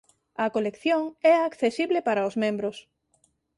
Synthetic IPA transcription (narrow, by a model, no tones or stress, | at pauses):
ɐkolekθjoŋɛakθesiβlepaɾɐʊzmẽmbɾʊs